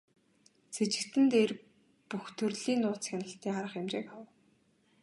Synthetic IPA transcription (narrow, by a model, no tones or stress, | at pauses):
t͡sʰet͡ɕɪ̆kt̪ɘ̆nt̪er | puxt̪ʰɵrɮiːnːʊːt͡sxænə̆ɬt̪iːŋaɾə̆χemt͡ɕḛːkaw